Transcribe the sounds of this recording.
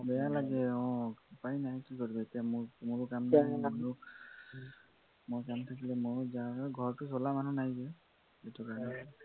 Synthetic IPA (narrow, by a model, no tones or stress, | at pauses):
bɛjalaɡɛɔ̃pajnajkikɔɹibɛtamʊmʊɹkamdamɹu | mojkamt̪ʰakilɛmʊɹzaɡʱɔɹtusɔlamanunajzɛ | etɔkaɹnɛ